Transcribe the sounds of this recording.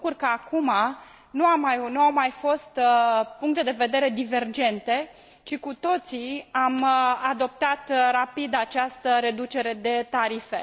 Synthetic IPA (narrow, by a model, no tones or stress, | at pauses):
kurkəakuma | nuamajnuawmajfo̞st̪puŋk̚t̪e̞d̪e̞ve̞d̪e̞ɾe̞d̪ive̞rd͡ʒe̞nt̪e̞ | t͡ʃikut̪o̞t̪siamad̪o̞p̚t̪at̪rapid̪at͡ʃast̪əɾe̞d̪ut͡ʃe̞ɾe̞d̪e̞t̪aɾife̞̰